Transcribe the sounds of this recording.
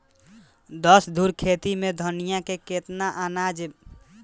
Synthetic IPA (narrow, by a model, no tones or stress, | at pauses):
d̪ɔsd̪ʱuɾkʰet̪imẽd̪ʱənijakeket̪naʔanad͡ʒe